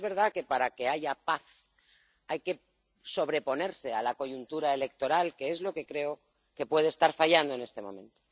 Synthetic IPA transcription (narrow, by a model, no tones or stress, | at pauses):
zβe̞ɾðake̞paɾake̞aʝapaθ | ajke̞ | so̞β̞ɾe̞po̞ne̞ɾse̞alako̞ʝunt̪uɾae̞le̞k̚t̪o̞ɾalke̞ezlo̞ke̞kɾe̞o | ke̞pwe̞ðest̪aɾfaʝand̪oe̞ne̞st̪e̞mõ̞̰mẽ̞nt̪o̥